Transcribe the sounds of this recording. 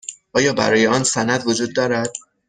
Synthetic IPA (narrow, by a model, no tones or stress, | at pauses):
ʔɒːjɒːbæ̰ɾɒːjeɒːnsænæd̪vod͡ʒuːd̪̚ːɒːɾæd̪̥̚